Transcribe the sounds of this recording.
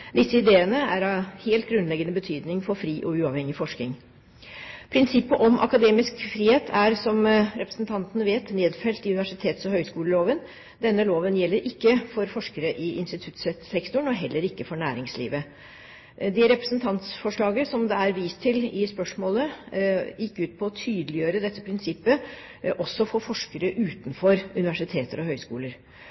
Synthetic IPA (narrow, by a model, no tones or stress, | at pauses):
d̪ɪsːəɪd̪eːənəæɾɑheːlt̪ɡɾʉnlɛɡənəbət̪ʰyːd̪nɪŋfɔɾfɾiːʔɔʉːɑʋhɛŋɪfɔʂk̪ɪŋ | pʰɾɪnsɪpːəʔɔmʔɑ̰kɑd̪eːmɪskfɾiːheːt̪ʰæɾsɔmɾɛpɾəsnt̪ʰɑnt̪ənəʋeːt̪neːd̪fɛlt̪ɪʉnɪʋæʂɪt̪ʰeːt̪sɔhœʏskuːləloːʋən | d̪ɛnːəloːʋənjɛlːəɾʔɪkːəfɔɾfɔʂkəɾəʔɪɪnst̪ɪt̪ʰʉt̪sɛsɛkt̪ʊɳɔɦɛlːəɾɪkːəfɔɳæːɾɪŋslḭːʋə | d̪ɛɾɛpɾəsnt̪ʰɑnt̪sfɔʂɭɑːɡəsɔmd̪ɛæɾʋiːst̪ʰɪlɪspœʂmoːlə | jɪkːʉːt̪̚pʰɔːt̪ʰyːd̪əlɪjøːɾəd̪ɛt̪ːəpʰɾɪnsɪpːə | ʔɔsːɔfoːfɔʂkəɾəʔʉːt̪nfɔɾʉnɪʋæʂɪt̪ʰeːt̪əɾɔhœʏskṵːləɾ